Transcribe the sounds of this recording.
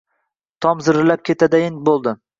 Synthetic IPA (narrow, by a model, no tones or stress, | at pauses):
t̪ʰɒmzɪɾɪlap̚kʲʰe̞t̪ʰad̪ajɪnbolˠd̪ɪ